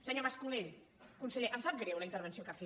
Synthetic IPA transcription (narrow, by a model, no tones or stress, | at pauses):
səɲomaskuleʎ | kunsəʎeʔəmsap̚ɡɾewləint̪əɾβənsiokafe